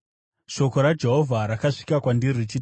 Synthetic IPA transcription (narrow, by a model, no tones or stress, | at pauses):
ʃo̞ko̞ɾad͡ʒe̞ɦovʱaɾakaʂi̥kakwandirit͡ʃi